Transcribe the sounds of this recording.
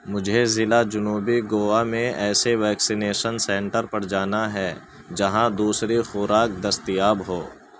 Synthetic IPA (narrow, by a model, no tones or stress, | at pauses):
mʊd͡ʒʱezɪlad͡ʒʊnuːbiɡoːamẽɛːseʋɛːksɪneːʃənsɛ̃ɳʈəɾpɐɾd͡ʒaːnaɦɛː | d͡ʒɐɦãd̪uːsɾixʊɾaːk̚d̪ɐst̪ijaːbɦoː